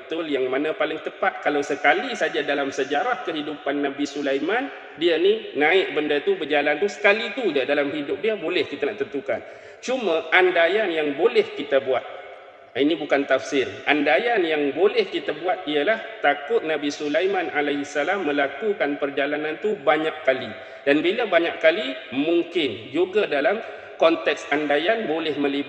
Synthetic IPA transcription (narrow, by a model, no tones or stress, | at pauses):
t̪ʊljaŋmãnãpalɪŋt̪əpat̪̚kalawsəkalisad͡ʒadalamsəd͡ʒaɾahkəɦidupanːabisulajman | dianinãɪʔ̚bəndat̪ubərd͡ʒalant̪usə̥kalit̪udadalamɦidʊp̚diəbolɛhkit̪anaʔt̪ənt̪ukan | t͡ʃumãʔandajanjaŋbolɛhkit̪abuat̪̚ | inĩbukant̪afsɪrʔandajanjaŋbolɛhkit̪abuat̪̚ijalaht̪akʊt̪̚nãbisulajmãnʔalaisalamːə̃lakukanpərd͡ʒalanãnt̪ubaɲaʔkːali | danbilabaɲaʔkalimuŋkɪnd͡ʒuɡadalam | kɔnt̪ɛksandajanbolɛhmə̃lib